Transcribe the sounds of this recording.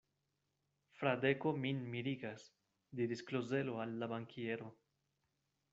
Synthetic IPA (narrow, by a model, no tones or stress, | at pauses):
fɾad̪ekominmiɾiɡas | d̪iɾiskloze̞loalːabaŋkʰieɾo